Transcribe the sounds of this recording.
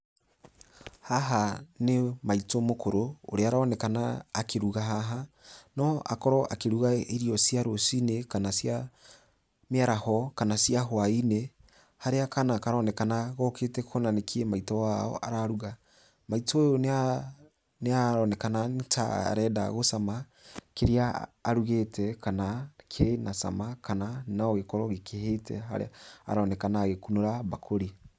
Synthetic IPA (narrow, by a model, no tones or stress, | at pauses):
haɦanemaitomokoɾo̰ːɾeaɾaɔnɛkanaːkʰeɾuɣaɦaɦanɔʔa̰kɔɾɔʔakeɾuɣaeɾiɔsjaɾosinekanasja | meaɾahɔkanasiaɦwaine | haɾeakanaːkaɾɔnɛkanaɣɔkʰetɛkʰonanekʰiemaitɔwaɔ̰ʔa̰ɾaɾuɣa | maitɔjon | neaɾɔnɛkanata̰ɾɛda̰ɣosama | keɾeaːɾuɣetʰɛkanakʰenasa̰makʰananaɔɣekɔɾɔɣekehetɛ̰ɦa̰ɾḛaa̰ɾaɔnɛkanaːɣekunoɾaβakʰoɾi